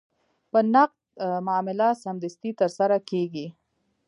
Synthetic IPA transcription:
pənaq̚d̪mʊɑmɪlasamd̪ɪst̪it̪əɾsaɾakeɡi

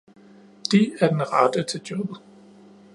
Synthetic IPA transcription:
d̥iæɐd̥enʁɑd̥ət͡sʰe̝ld̥jɒ̽b̥ð̩ˠ

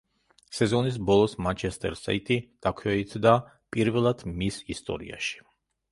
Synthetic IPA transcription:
sɛzɔnis̬bɔlˠɔsmant͡ʃʰɛst̪ʼɛ̰ɾsa̰it̪ʼid̪̥akʰwɛit̪ʰd̪a | pʼiɾvɛlˠad̪̥misist̪ʼɔ̰ɾḭa̰ʃi̥

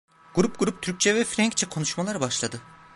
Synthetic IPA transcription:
ɡ̥uɾup̚ɡ̥uɾup̚t̪ʰyɾc̚t͡ʃʰɛvɛfɾæŋct͡ʃʰɛkʰo̞nuʃmalˠaɾbaʃlˠad̪ɯ

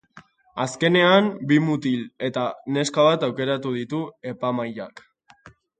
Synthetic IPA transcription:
aske̞ne̞ambimut̪ile̞t̪ane̞skaβ̞at̪awke̞ɾat̪uð̞it̪ue̞pamaja̰k

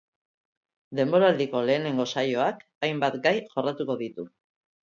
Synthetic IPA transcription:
d̪e̞mbo̞ɾald̪iko̞le̞ːne̞ŋɡo̞sajo̞ak | ajmbat̪ɡajʝo̞rat̪uko̞ðit̪u

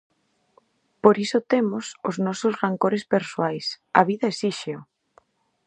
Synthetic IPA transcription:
poɾisʊt̪emʊsʊznɔsʊsraŋkoɾespeɾsoajs | ɐ̰βiðɐesiʃeo

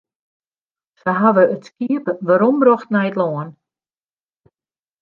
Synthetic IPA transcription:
səɦaʋəətskiəpəʋaɾɔmbrɔxtnɛjətlɔːn

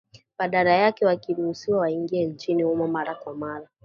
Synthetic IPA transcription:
ɓaɗaɾajakɛwakiɾuhusiwawaiŋɡiɛɲ̩t͡ʃinihumɔmaɾakwamaɾa

